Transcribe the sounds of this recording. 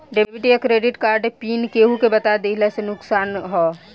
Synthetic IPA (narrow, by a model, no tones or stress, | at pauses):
ɖepiʈiekɾeːɖɪʈkaːɾɖepiːnkeːɦukebɐt̪ad̪elasenʊksaːnɦɔː